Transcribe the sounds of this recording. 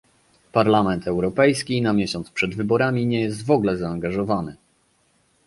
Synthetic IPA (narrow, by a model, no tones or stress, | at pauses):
paɾlamɛnt̪ɛwɾɔpɛjskʲinamʲjeɕɔnt̪spʂɛd̪vɘbɔɾamʲiɲɛjɛst̪vɔɡlɛzaːŋɡaʐɔvanɘ